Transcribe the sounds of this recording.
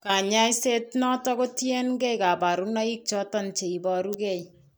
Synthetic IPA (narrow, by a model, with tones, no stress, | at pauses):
ka˨ɲa˦jse˦tnɔ˦tɔ˦ko˦tje˦nɡɛ˦ka˨ba˨ɾu˦na˦i˦k̚t͡ʃɔ˦tɔ˦nt͡ʃe˨i˨bɔ˨ɾukɛ˦j